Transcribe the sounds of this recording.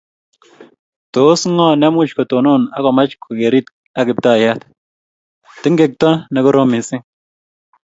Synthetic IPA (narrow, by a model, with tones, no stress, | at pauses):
to˨˦sŋɔ˦nɛ˦mʊ˦t͡ʃkɔ˨to˨no˦na˦kɔ˨ma˦t͡ʃkʰo˨ke˨ɾi˦t | a˨kɪ˨p̚ta˦˨ja˦t | tɪ˦ŋɡe˨k̚tɔ˦nɛ˨kʊ˦ɾo˦mɪ˨sɪ˦ŋ